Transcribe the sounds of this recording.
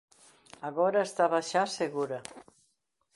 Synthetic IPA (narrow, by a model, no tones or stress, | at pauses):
aɣɔɾaest̪aβaʃaseɣuɾa